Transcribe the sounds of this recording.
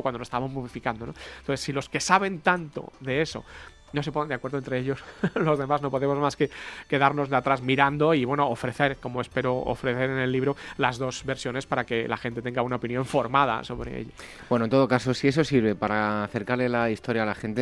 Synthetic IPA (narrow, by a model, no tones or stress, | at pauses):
kwand̪ooest̪aβmozmoβifikand̪o̞nonoθesːilo̞ske̞saβ̞e̞nt̪ant̪o̞̰ðe̞e̞so̞̰ | nose̞ponnd̪eakweɾðoent̪ɾe̞eʎo̞slo̞zðe̞mazno̞poðe̞mo̞zmaske̞ke̞ðaɾno̞zðeat̪ɾazmiɾand̪o̞iβwe̞no̞ofɾe̞θe̞ɾko̞moe̞spe̞ɾoo̰fɾe̞θe̞ɾene̞lːiβɾo̞lazðo̞zβe̞ɾsjo̞ne̞spaɾake̞la̰xent̪e̞t̪e̞ŋɡaunaopinjõ̞ɱfo̞ɾmað̞a̰so̞βɾe̞̰ḛʎa | bwenoent̪o̞ðo̞kaso̞sie̞s̬o̞siɾβe̞paɾaːθe̞ɾkaɾle̞laist̪o̞ɾjaːlaxent̪e